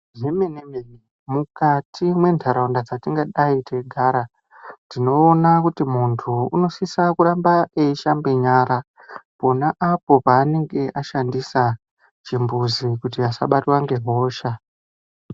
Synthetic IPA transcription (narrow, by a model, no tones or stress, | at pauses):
ʐemenemene | mukatimwe̞ndʰʱaɾaundad͡zatiŋɡaɗaitʰe̞ɡʱaːɾa | ndino̞ːnakutimuntʰuuno̞sisakuɾambaeiʃambeɲaːɾa | po̞naʔapo̞paːne̞ŋɡe̞ʔaʃandisa | t͡ʃimbuzikutiasa̰ɓatwaŋɡe̞ɦo̞ːʃa